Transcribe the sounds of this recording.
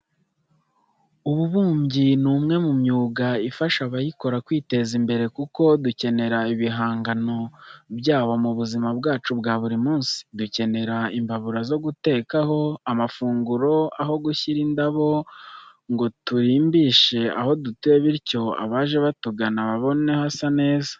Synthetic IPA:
uβuβuːmɟinumŋe̞mumɲuːɡaifaʃaβajiko̞ɾakwiːte̞zimbe̞ɾe̞kuko̞duce̞ne̞ɾaiβiɦaːŋɡano̞bɟaːβo̞muβuzimab̚ɡaːt͡ʃubɡaːβuɾimuːnsi̥duce̞ne̞ɾaimbaβuɾazo̞ɡute̞ːkaho̞amafuːŋɡuɾo̞aɦo̞ɡuçiɾindaβo̞ | ŋɡo̞tuɾiːmbiːʃe̞a̰ho̞dutue̞βiɾco̞a̰βaːʒe̞βatuɡanaβaβo̞ne̞hasane̞ːza

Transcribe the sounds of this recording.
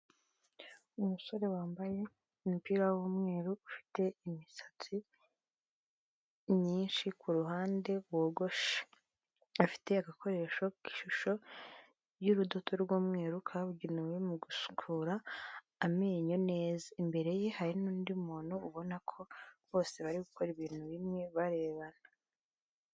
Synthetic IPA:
umuso̞ɾe̞waːmbaje̞ | umupiːɾawuːmŋe̞ːɾuːfi̥te̞imisḁt͡si | ɲiːnʃikʰuɾuhaːnde̞woːɡo̞ʃḁ | afi̥te̞aɡakʰo̞ɾe̞ʃoki̥ʃuʃo̞ | juɾudotʰo̞ɾɡoːmŋeːɾukʰaβuɟinuwemuɡusu̥kʰuɾaː | meːɲo̞ne̞ːzaimbe̞ɾe̞je̞haɾinuːndimuːnhuːβo̞nakʰo̞βo̞ːse̞βaɾiɡukʰo̞ɾiβiːn̥huβimŋe̞βaɾe̞ːβana

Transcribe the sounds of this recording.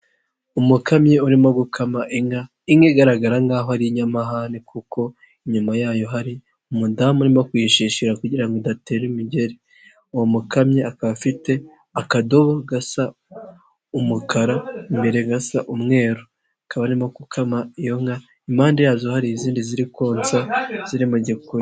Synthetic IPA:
umukamɲeuɾimoɡukʰamaʔiŋɡa | iŋeɡaɾaɡaɾaŋɡaːɦohaɾiɲamaɦanikuko̞ | iɲumajaːjo̞ɦaɾi | umudamunimokwiːʃiʃiɾakuɟiɾaŋɡodate̞ːɾimiɟe̞ɾe | uwomukamɲeakaβafite̞ | akado̞βoɡasa | umukʰaɾaimbe̞ɾeɡasaʔumŋe̞ːɾo | akaβanimakukʰamaijo̞ŋɡa | imaːndejaːzohaɾiziːndiziɾikoːnsaz̥iɾimaɟeko

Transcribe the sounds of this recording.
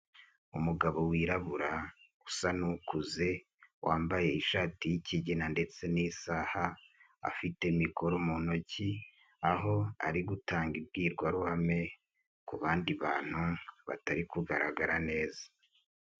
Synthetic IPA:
umuɡaβo̞wiːɾaβuɾa | usanukuze̞ | wʔaːmbaje̞iʃaːtijiciɟenande̞t͡se̞nisahaː | a̰fite̞miko̞ɾomuno̞ci | aɦo̞a̰ɾiɡutaːŋɡibɡiːɾɡwaɾuhame̞ | kuβaːndiβaːn̥huβa̰taɾikuɡaɾaɡaɾane̞ːzḁ

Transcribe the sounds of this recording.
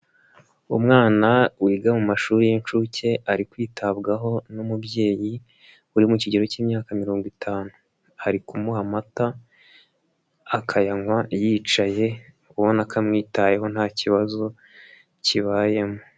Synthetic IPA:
umŋaːnawiːɡamumaʃuːɾijent͡ʃuce̞ʔaɾikwiːtʰabɡaɦo̞numubje̞ːji | uɾimuciɟe̞ɾo̞ciːmɲaːkamiɾo̞ːŋɡwitʰaːnu | haɾikumuɦamata | akʰajaŋwajiːt͡ʃaje̞ | uwonakʰamŋiːtaje̞ɦo̞nhaːciβazo̞ | ciβaːje̞mo

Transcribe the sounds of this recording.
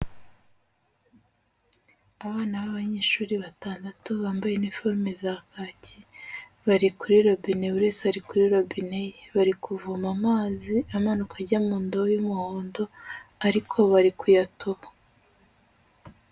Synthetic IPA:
aβaːnaβaβaɲe̞ːʃuːɾiβataːndatuβaːmbaje̞nifoɾmezakaːci | βaɾikuɾiɾobine̞uɾeseaɾikuɾiɾobine̞jeβaɾikuvumamaːziamanukʰaɾɟamuːndojumuhoːndo̞aɾikʰo̞βaɾikujatoβḁ

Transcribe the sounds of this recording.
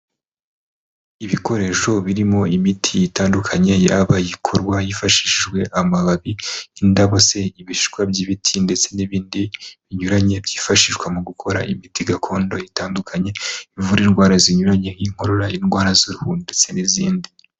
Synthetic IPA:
iβiko̞ɾe̞ʃo̞βiɾimo̞imitʰijitaːndukʰaɲe̞ja̰ːβajikʰoɾɡwajifaʃiʒɡwe̞ʔamaβaβiːndaβo̞se̞iβiʃi̥kwabɟiβitʰinde̞t͡se̞niβiːndiβiɲuɾaɲe̞bjiːfaʃiʒɡwemuɡukʰo̞ɾa̰ʔimitiɡakʰo̞ːndo̞jitaːndukʰaɲe̞ivuɾinɡwaːɾaziɲuɾaɲe̞jiŋho̞ɾoɾainɡwaːɾazuɾuhuːnddet͡se̞niziːndi

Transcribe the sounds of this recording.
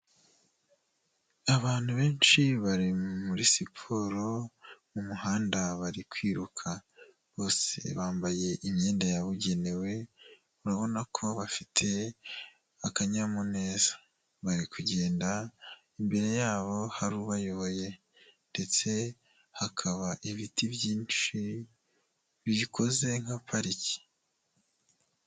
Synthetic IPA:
aβaːn̥huβe̞ːnt͡ʃiβaɾimuɾisipʰoːɾo̞mumuhaːndaβaɾikwiːɾukʰa | βo̞ːse̞̰βaːmbaje̞ʔimɲeːndajaβuɟe̞newe̞ | uɾaβo̞nakʰo̞βafitʰe̞ | akaɲamone̞ːzḁ | βaɾikʰuɟe̞ːnda | imbe̞ɾe̞jaːβo̞haɾuβajo̞βo̞je̞ | nde̞t͡se̞ | hakʰaβaʔiβitʰiβjiːnt͡ʃi | βiikʰo̞ze̞ŋ̥hapʰaɾici̥

